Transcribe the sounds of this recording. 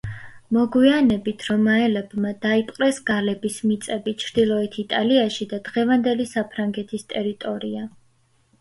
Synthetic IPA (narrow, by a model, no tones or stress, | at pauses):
mɔɡwianɛbit̪ʰɾɔmaɛlɛbmad̪̥aipʼqʼɾɛsɡ̥alɛbismit̪sʼɛbit͡ʃʰɾd̪̥ilˠɔɛt̪ʰit̪ʼaliaʃid̪ad̪ʁɛvand̪ɛlisapʰɾaŋɡɛt̪ʰist̪ʼɛɾit̪ʼɔɾia